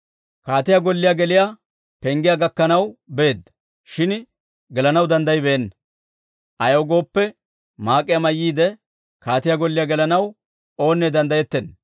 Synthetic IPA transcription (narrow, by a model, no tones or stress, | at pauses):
kaːt̪ɪjaɡɔlːɪjaɡɛlɪja | pɛŋɡɪjaɡɐkːɐnɐwbe̞ːd̪ːɐ | ʃɪn | ɡɛlɐnɐwd̪ɐnd̪ɐjbɛɛnːɐ | ʔɐjɐwɡo̞ːpːɛ | maːkʼːɪjamɐjːiːd̪ɛ | kaːt̪ɪjaɡɔlːɪjaɡɛlɐnɐw | o̞ːnːɛd̪ɐnd̪ɐjɛt̪ːɛn